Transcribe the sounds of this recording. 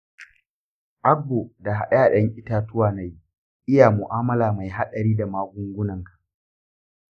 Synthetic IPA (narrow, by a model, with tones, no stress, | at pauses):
ʔa˦ɡːo˨da˨ɦa˨ɗɐ˦jaː˨ɗɐ˦ŋʔɪ˦taː˦tʊ˦waː˨na˨ji˦ | ʔɪ˦ja˨mʊ˨ʔaː˦mɐ˦laː˨ma˨jɦa˦ɗɐ˨ɾiː˦da˨maː˦ɡʷʊ˦ŋɡʷʊ˦nɐ˨ŋkḁ˨ʔ